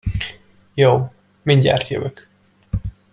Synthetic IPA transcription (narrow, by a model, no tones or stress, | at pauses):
joː | minɟa̰ːrt̪jø̰vøk